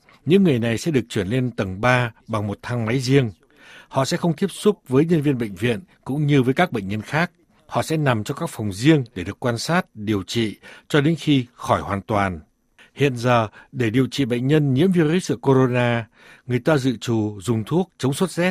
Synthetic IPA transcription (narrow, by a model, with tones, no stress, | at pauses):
ɲɨ̰˧˥ŋːɨ˨˩əjna˨˩jsɛ̰˧˥ɗɨ˨˩ək̚t͡ɕwi˧˩ənle˧nt̪ə˨˩ŋɓaː˧ɓa˨˩ŋmo˨˩t̚t̪ʰa˨˧˦ŋma˨˦jzi˧əŋ | hɔ̰˧˨sɛ̰˧˥xə˧wŋ͡mt̪i˦˥əp̚sʊ˦˥k͡p̚vəː˨˦jɲə˧nvi˧ənɓə̰˧˨jŋ̟vḭ˧˨ən | kʊ̰˧˥ŋ͡mɲɨ˧vəː˨˦jkaː˦˥k̚ɓə̰˧˨jŋ̟ɲə˧nxaː˦˥k̚ | hɔ̰˧˨sɛ̰˧˥na˨˩mt͡ɕɔ˧kaː˦˥k̚fa˨˩wŋ͡mzi˧əŋɗe˧˩ɗɨ˨˩əkːwaː˧nsaː˦˥t̚ɗi˨˩əwt͡ɕḭ˧˨t͡ɕɔ˧ɗe˨˦nxi˧xɔ˧˩jhwaː˨˩nt̪waː˨˩n | hḭ˧˨ənzəː˨˩ɗe˧˩ɗi˨˩əwt͡ɕḭ˧˨ɓə̰˧˨j̟ɲə˧nɲḭ˧˥əmvi˧ɾu˦˥sʔɨ̰˧˩əko˧ɾo˧naː˧ | ŋɨ˨˩əjt̪aː˧zɨ̰˧˨t͡ɕu˨˩zʊ˨˩ŋ͡mt̪ʰu˦˥ək̚t͡ɕə˨˦wŋ͡mswə˦˥t̚zɛ˦˥t̚